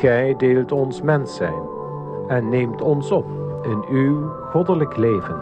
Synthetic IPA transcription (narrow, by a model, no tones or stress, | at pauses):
ɛjdeːlˠtɔnsmɛnsɛ̰jn | ɛnːeːmtɔnsɔp | ɪnyw | χɔdələklejvən